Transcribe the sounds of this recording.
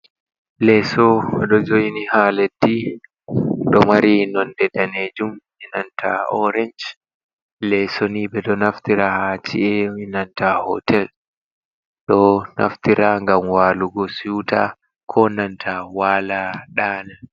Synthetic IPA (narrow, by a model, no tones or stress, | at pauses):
lɛsɔɛɗɔd͡ʒoinihaledːi | ɗɔmaɾinɔndɛdaned͡ʒum | ɛnantʰa̰ɔɾɛɲd͡ʒ | lɛsonibɛɗɔnaftiɾahat͡ʃḭɛwinantahɔ̰tʰɛl | ɗɔna̰ftiɾaŋɡamwaːluɡɔsuta | kʰɔnantʰawaːlaɗaːna